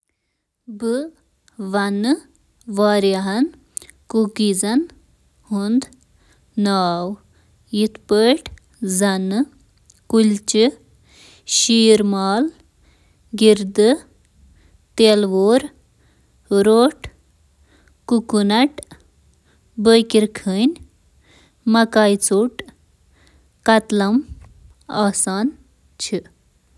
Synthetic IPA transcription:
bɨ | ʋɐnɨ | ʋaːɾjɐɦɐn | kukizɐn | hund̪ | naːw | jit̪ʰpəʈ | zɐnɨ | kult͡ʃɨ | ʃiːɾmaːl | ɡiɾd̪ɨ | t̪eːlʋoːɾ | ɾoːʈ | kukunɐʈ | bəjkiɾkʰənʲ | mɐkaːjt͡suʈ | kɐt̪lɐm | aːsaːn | t͡ʃʰi

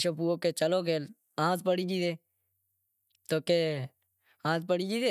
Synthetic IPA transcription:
ʃopuoːkeːt͡ʃəloːkeːl | ãːspəɽiːd͡ʒiːd̪eː | t̪oːkeː | ãːspəɽiːd͡ʒiːd̪eː

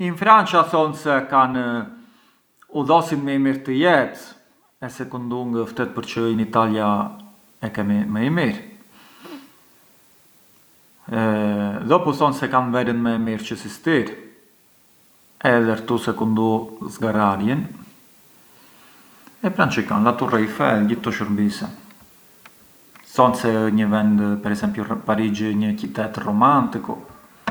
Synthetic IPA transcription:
infɾant͡ʃaθɔnsɛkan | uðɔsinmɛimiɾt̪əjɛt̪ | ɛsɛkund̪uŋɡəft̪ɛt̪̚pəɾt͡ʃəinit̪alja | ɛkɛmimɛimiɾ | ðɔpɔθɔnsɛkanvɛɾənmɛmiɾt͡ʃəsist̪iɾ | ɛðɛɾt̪usɛkund̪uzɡaɾaɾjɛn | ɛpɾant͡ʃəkanlat̪uraifɛlɟit̪ːɔʃəɾbisɛ | sɔnsɛɲəvɛnd̪pɛɾɛsɛmpjupaɾid͡ʒiɲəcit̪ɛt̪rɔmant̪iku

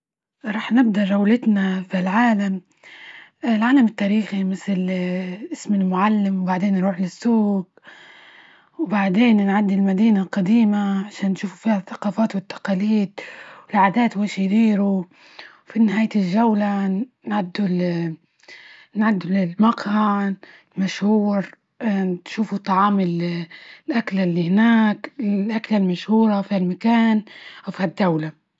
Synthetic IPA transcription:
ɾˤɑːħnɪb̚d̪ɑʒawlɪt̪naflʕaːlam | lʕaːlamɪt̪ːaːɾiːximɪθlʔɪsmɪlmʊʕalːɪmwbaʕd̪eːnːɾuːħlɪsːuːɡ | wbaʕd̪eːnnʕad̪ːilmad̪iːnalqad̪iːmaʕaʃaːnːʃuːfufiːhaθaqɑːfaːt̪wɪt̪ːḁqɑːliːd̪̚wɪlʕad̪aːt̪weːʃjd̪iːɾu | finɪhaːjt̪ɪlʒawlanʕad̪ːul | nʕad̪ːullmaqha | maʃhuːɾ | ʃuːfut̪ˤːɑʕɑːmɪllʔaklalːihɪnaːklʔaklalmaʃhuːɾˤɑfiːhalmakaːnʔawfihad̪ːawla

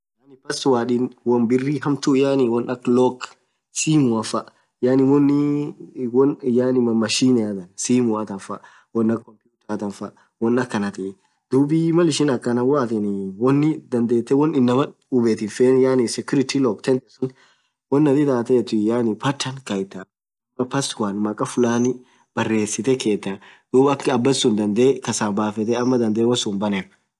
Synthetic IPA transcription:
jaːnɪpɐswaːᶑinwɔnbɪrːiɦɐmt̪ʊjanɪwɔnɐkːlɔk | siːmʊɐfɐʔ | jaːnɪwɔnːɪ | wɔnjanɪmɐmːɐʃiːnɛjat̪ɐnsiːmʊwat̪ɐnfɐ̰ | wɔnːɐkkːɔmpjuːt̪ɐɾt̪ɐnfɐ | wɔnɐkːɐnɐt̪ɛ | d̪̥uːbimɐlɪʃɪnɐkːɐnɐwaːt̪ɛnɪwɔnːɪd̪ɐnd̪e̞ːt̪ːɛwɔnːɪnːɐmɐ | ʊbeːt̪ɪnfeːnjaːnɪsɪkɪɾɪt̪ilɔkt̪ɛnt̪ɛsʊn | wɔnːɐt̪ɪt̪aːt̪ɛt̪ʊjaːnɪpɐt͡ʃːɐnkɐjɪt̪ːɐ | mːɐpɐswanmɐkʼɐfʊlaːnɪ | b̥ɐrːe̞ːsːɪt̪ɛke̞ːt̪ːɐd̪̥uːbɐkːɐbːɐsːʊnd̪ɐnd̪eːkɐsaːbaːfɛt̪ɛɐmːɐd̪ɐnd̪eːwɔsʊnbɐnɛɾ

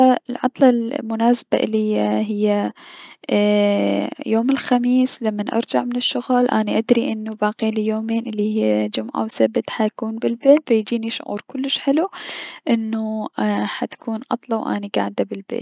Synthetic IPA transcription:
aɪlʕɑ̰t̪ˤlɑlmʊnaːsab̥aʔɪ̰lːijaɦɪjːa | joːmɪlxamiːslamːanʔɑ̰ɾˤd͡ʒaʕmɪnɪʃːʊɣlʔa̰ːniʔad̪ɾiʔɪnːubaːqiːnjoːmeːnʔɪlːihɪːd͡ʒʊmʕa̰wsabɪt̪ħajakuːnbɪlbeːt̪fajd͡ʒiːniʃʊ̰ʕṵːɾkʊlːɪʃħɪluʔɪnːuħat̪ḁkʰuːnʕɑ̰t̪ˤlɑwʔa̰ːniɡa̰ːʕd̪abɪlbḛːt

